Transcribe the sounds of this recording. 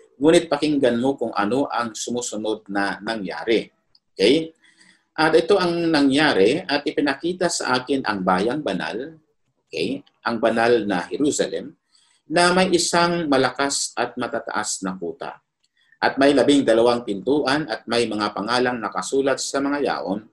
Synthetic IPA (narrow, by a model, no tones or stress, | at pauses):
ŋuːnɪt̪̚pɐkɪŋɡɐnmo̞kʊŋʔɐ̰no̞ʔɐŋsʊmuːsʊno̞d̪̚nɐnɐŋja̰ːɾɛ | ʔokɛj | ʔɐd̪ɪt̪o̞ʔɐŋnɐŋjaːɾɛɐt̪̚ʔɪpɪnɐkiːt̪ɐsɐ̰ʔaːkɪnʔɐ̰ŋbaːjɐŋbɐna̰l | ʔokɛj | ʔɐŋbɐnalnɐhɛɾusɐlɛ̰m | nɐmɐjʔɪsaŋmɐlɐkasʔɐt̪̚mɐt̪aːt̪ɐ̰ʔasnɐkuːt̪a̰ | ʔɐt̪̚mɐjlɐbɪŋd̪ɐlɐwaŋpɪnt̪uːʔɐnʔɐt̪̚mɐjmɐŋapɐŋaːlɐŋnɐkɐsuːlɐt̪̚sɐmɐŋaja̰ːʔon